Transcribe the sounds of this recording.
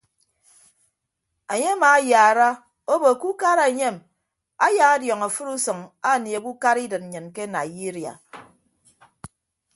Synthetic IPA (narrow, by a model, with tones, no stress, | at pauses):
a˨ɲe˦a˦ma˨˦ja˨ɾa˦ | o˦bo˨ku˦ka˦ɾa˨e˨ɲe˦˨m | a˦ja˨ŋa˦djɔ˨ŋa˨fɨ˦ɾu˦sɨ˨ŋa˦˨ni˨e˨ku˦ka˦ɾi˦dɨ˨t̚n̩˨ɲɨ˨nke˦na˨ji˦ɾi˨a̰˨